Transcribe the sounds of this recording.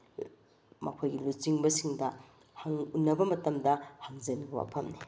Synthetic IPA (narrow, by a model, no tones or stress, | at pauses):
mɐ̰kʰojɡilut͡ʃiŋbɐsiŋdɐ | hɐŋunːɐbɐmɐtɐmdɐhɐŋzɐniwa̰pʰɐmni